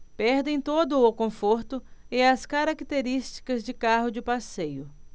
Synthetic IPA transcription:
pɛɾd̪ẽj̃t̪od̪ʊːkõfoɾt̪ʊɪɐskaɾakit̪eɾist͡ʃi̥kɐzd͡ʒɪkaɦʊd͡ʒɪpasejʊ

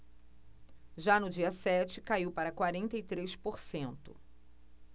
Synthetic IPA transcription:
ʒanʊd͡ʒiɐsɛt͡ʃɪkaiwpaɾɐkwaɾẽnt̪ɐijt̪ɾespoɾsẽnt̪ʊ

